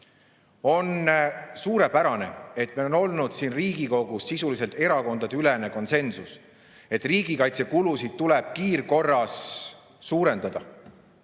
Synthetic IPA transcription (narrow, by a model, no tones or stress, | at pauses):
o̞nsuːɾe̞pæɾɑne̞̰e̞t̪melno̞lnud̪̥siːnriːɡiko̞ɡ̥usːisulise̞lt̪e̞ɾɑko̞nd̪̥ɑd̪eylene̞ko̞nse̞nsus | e̞t̪ːˑriːɡ̥ikɑjt̪se̞kulusid̪̥̚t̪ule̞b̥̚kiːrko̞rːɑsː | uːɾe̞nd̪ɑd̪̥ɑ̰